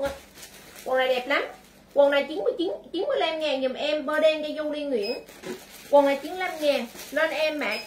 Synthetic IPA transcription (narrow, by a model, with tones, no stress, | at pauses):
wə˨˩ŋna˨˩jɗɛ˨˩p̚la˨˦m | kwə˨˩ŋna˨˩jt͡ɕi˨˦nmɨ˧ət͡ɕi˨˦nt͡ɕi˨˦nmɨ˧əjla˧mŋaː˨˩ŋɲɨ˨˩mʔɛ˧mɓəː˧ɗɛ˧nkaː˧˦jzo˧wli˧ŋwḭ˧˩˦ənkwə˨˩ŋna˨˩jt͡ɕi˨˦nla˧mŋaː˨˩nlə˧nʔɛ˧mːa̰ː˧˥